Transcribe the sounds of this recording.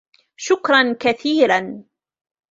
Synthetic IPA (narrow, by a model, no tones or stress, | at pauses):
ʃʊkɾˤɑnkaθiːɾan